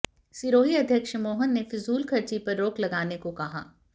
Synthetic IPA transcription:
siɾoːɦiɐd̪ʱjəkʃmoːɦənːefɪzuːlkʰɐɾt͡ʃipɐɾːoːklɐɡaːnekokɐɦa̰ː

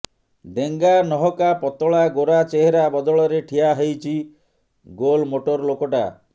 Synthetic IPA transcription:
ɖeŋɡanɔɦɔkapɔt̪ɔɭaɡoɾat͡ʃeɦeɾabɔd̪ɔɭɔɾeʈʰiaɦejt͡ʃʰi | ɡolmoʈoɾlokɔʈa̰

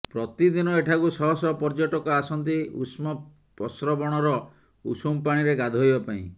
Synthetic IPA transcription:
pɾɔt̪id̪inɔeʈʰakusɔɦɔsɔpɔɾd͡ʒoʈɔkɔasɔnt̪̬iusmɔ | pɔsɾɔbɔɽ̃ɔɾɔ | ṵsumpaɽ̃iɾeɡad̪ʱɔjbɔpaḭ̃

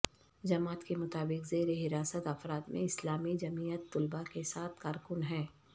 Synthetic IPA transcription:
d͡ʒɐmaːt̪kemʊt̪aːbɪkzeːɾeɦɪɾaːsət̪ɐfɾaːt̪mḛ̃ɪslaːmid͡ʒɐmiːjət̪ːʊlbakesaːt̪ʰkaːɾkʊnɦɛ̃ː

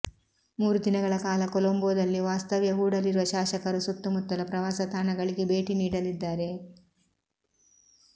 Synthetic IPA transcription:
muːɾud̪inɐɡɐɭɐkaːlɐkolomboːd̪ɐlːiʋaːst̪ɐʋjɐɦuːɽɐliɾuʋɐʃaːʃɐkɐɾusut̪ːumut̪ːɐlɐpɾɐʋaːsɐt̪aːɳɐɡɐɭiɡe̞be̞ːʈiniːɽɐlid̪ːaːɾe̞

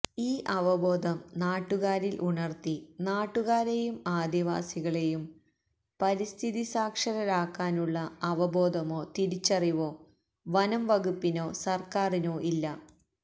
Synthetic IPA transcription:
iːʔɐʋɐbo̞ːd̪ʱɐmnaːʈːuɣaːɾilʔuɳɐrt̪inaːʈːuɣaːɾe̞jumaːd̪ʱiʋa̰ːsiɣɐɭe̞jum | pɐɾist̪ʰiðisaːkʂɐɾɐɾaːkːaːnuɭːɐɐʋɐboːd̪ʱɐmo̞ːt̪iɾit͡ɕːɐriʋo̞ː | ʋɐnɐmʋɐɣupːino̞ːsɐrkaːrino̞ːʔilːɐ

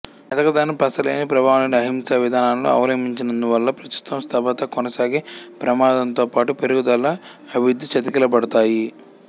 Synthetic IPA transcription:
ɐt̪ɐkɐd̪aːnːipɐsɐleːnipɾɐbʱaːʋɐnɐɽiɐɦimsaːʋid̪ʱaːnaːnlo̰ːɐ̰ʋɐlɐmiɲt͡ʃinɐnd̪uʋɐlːɐpɾɐst̪u̥t̪ɐmst̪ʰɐbɐt̪ɐkɔnɐsaːɡeːpɾɐmaːd̪ɐnt̪o̞ːpaːʈupeɾuɡud̪ɐlːɐː | bʱiʋud̪ʱːit͡ʃɐt̪ikilɐpɐɽɐt̪aːji

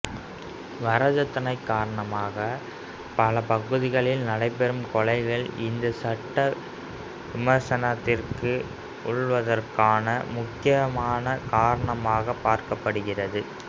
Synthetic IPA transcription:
ʋɐɾɐd͡ʒɐt̪ːɐnɐɪkːaːɾɐɳɐmaːɣɐ | pɐlɐpɐɣɯðɪɣɐɭɪlnɐɽɐɪpɛɾɯmkɔɭɐɪɣɐɭɪnd̪ɐsɐʈːɐ | ʋɪmɐɾsɐnɐt̪ːɪrkɯ | ʊɭʋɐðɐrkaːnɐmʊkːɪjɐmaːnɐkaːɾɐɳɐmaːɣɐpːaːɾkɐpːɐɽɯɣɪrɐðɯ

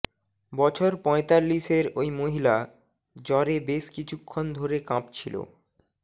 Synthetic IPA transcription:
bɔt͡ɕʰoɾpɔ̃et̪alːiʃeɾojmoɦila | d͡ʑɔɾebeʃkit͡ɕʰukʰːond̪ʱoɾekãpt͡ɕʰilo̰

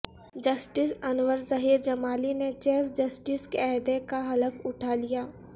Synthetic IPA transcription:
d͡ʒɐsʈɪsɐnʋəɾzɐɦiːɾd͡ʒɐmaːlinet͡ʃeːfd͡ʒɐsʈɪskeɛɦd̪ekaɦɐləfʊʈʰalijaː

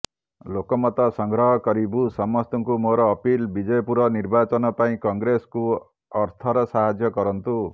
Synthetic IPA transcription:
lokɔmɔt̪ɔsɔŋɡɾɔɦɔkɔɾibusɔmɔst̪ɔŋkumoɾɔːpilbid͡ʒɔjɔpuɾɔniɾbat͡ʃɔnɔpaĩkɔŋɡɾesku | ɔɾt̪ʰɔɾɔsaɦad͡ʒjɔkɔɾɔnt̪u

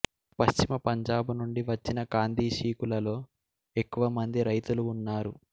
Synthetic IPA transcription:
pɐʃt͡ʃimɐpɐɲd͡ʒaːbunuɳɖiʋɐt͡ʃːinɐɡaːnd̪ʱiːʃiːkulɐlo̞ː | e̞kːuʋɐmɐnd̪iɾɐjt̪uluːnːaːɾu

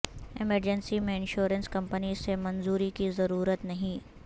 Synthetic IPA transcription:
ɪməɾd͡ʒənsimẽɪ̃nʃoːɾə̃nskɐ̃mpənisemɐ̃nzuːɾikizɐɾuːɾət̪nɐɦĩː

